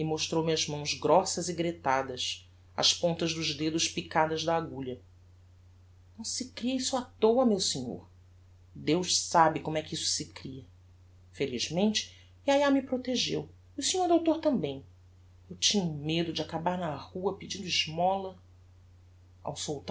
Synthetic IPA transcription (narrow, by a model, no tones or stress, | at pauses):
ɪmoʃt̪ɾowmiɐzmɐ̃w̃zɡɾɔsɐziɡɾet̪ad̪ɐs | ɐ̰ʃpõnt̪ɐzd̪ʊʒd̪ed̪ʊʃpikad̪ɐzd̪ɐːɡuʎɐ | nɐ̃w̃sɪkɾiɐisʊat̪owɐmewsĩɲo̰ɾ | d̪ewʃsabɪkõmʊɛkɪisʊ̥sɪkɾiɐ | feliʒmẽnt͡ʃɪ̥ | iajamɪpɾot̪eʒew | iusĩɲoɾd̪owt̪oɾt̪ɐ̃mbẽj̃ | ewt͡ʃĩɲʊmed̪ʊd͡ʒɪakabaɾnɐhuɐpid͡ʒĩnd̪ʊɪʒmɔlɐ | a̰wsowt̪